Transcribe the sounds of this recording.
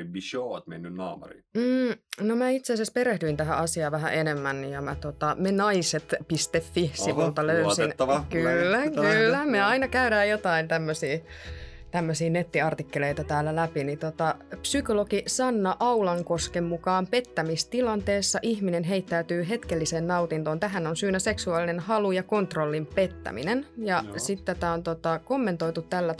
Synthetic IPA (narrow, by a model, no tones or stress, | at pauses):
ʋiʃoɑt̪mḛnːynnɑːmṵrḭmm̩ːnomæːit̪seːsespeɾehdyint̪æɦæʔɑsiɑːʋæɦæ̰ʔenemːænːijɑmæt̪ot̪ɑmenɑiset̪pist̪efːihsimuːlt̪ɑløysinːkylːækylːæmeɑinɑkæyɾæːjjot̪ɑint̪æmːøsiːt̪æmːøsiːnet̪ːiɑrt̪ikːeleit̪ɑt̪æːlːælæpinit̪ot̪ɑpsykolokisɑnːɑʔɑulɑŋkoskemːukɑːmpe̞t̪ːæmist̪ilɑnt̪eːsːɑʔihminenɦeit̪ːæyt̪yːɦe̞t̪kelːiseːnnɑut̪int̪oːnt̪æɦænonsyːnæse̞ksuɑːlinenhɑlujɑkont̪rolːimpe̞t̪ːæ̰mḭnenjɑsit̪t̪ːæt̪æont̪ot̪ɑkomːent̪oit̪ut̪tælːæ